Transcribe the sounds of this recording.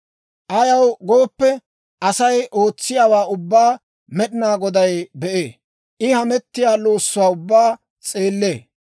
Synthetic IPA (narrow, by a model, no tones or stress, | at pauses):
ʔɐjɐwɡo̞ːpːɛ | ʔɐsɐjʔo̞ːt͡sːɪjaːwaːʊbːaː | mɛɗɪnaːɡɔd̪ɐjbɛʔḛː | ʔɪhɐmɛt̪ːɪjaːlo̞ːsːʊwaːʊbːaː | t͡sʼe̞ːlːeː